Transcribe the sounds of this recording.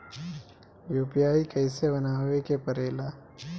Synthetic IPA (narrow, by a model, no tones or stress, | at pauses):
juːpijaːikɛːsebɐnaːwekepɐɾeːlaː